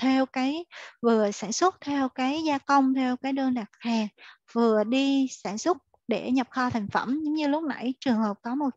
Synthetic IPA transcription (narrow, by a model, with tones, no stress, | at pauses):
t̪ʰe˧wkaː˨˦jvɨ˨˩əsaː˧˩nswə˦˥t̚t̪ʰe˧wkaː˨˦jzaː˧kə˧wŋ͡mt̪ʰɛ˧wkaː˨˦jɗəː˧nɗaː˨˩k̚haː˨˩ŋ | vɨ˨˩əɗi˧saː˧˩nsʊ˦˥t̚ | ɗe˧˩ɲə˨˩p̚xɔː˧t̪ʰa˨˩jŋ̟fə˧˩mzʊ˨˦ŋ͡mɲɨ˧lʊ˦˥k͡p̚na̰˧˩jt͡ɕɨ˨˩əŋhəː˨˩p̚kɔ˨˦mo˨˩t̚